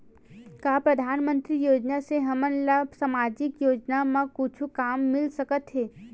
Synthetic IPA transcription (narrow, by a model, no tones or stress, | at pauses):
kaːpɾɐd̪ʱaːnmə̃nt̪ɾijoːd͡ʒnaseɦɐmənlabsamaːd͡ʒɪkjoːd͡ʒnamãkʊt͡ʃʰukaːmːɪlsɐkət̪ɦɛː